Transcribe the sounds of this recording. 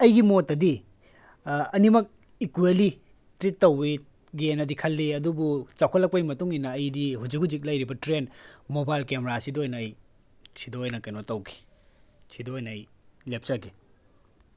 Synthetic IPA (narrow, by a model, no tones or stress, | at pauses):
ɐjɡimotːɐdi | ɐnimɐk̚ | ikweli | tɾitːɐwi | ɡenɐdikʰɐlːiɐdubut͡ʃɐwkʰɐtlɐk̚pɐjmɐtuŋinɐːjdihud͡ʒik̚hud͡ʒik̬̚lɐjɾibɐtɾenmobajlkemɾasidoojnɐːj | sidoːjnɐkɐjnotɐwkʰi̥sidoojnɐɐjlep̚sɐki